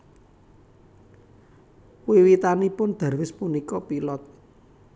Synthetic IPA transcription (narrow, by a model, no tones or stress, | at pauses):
wiwit̪anipʊnd̪̥a̤rwɪspunikɔpilɔt̪̚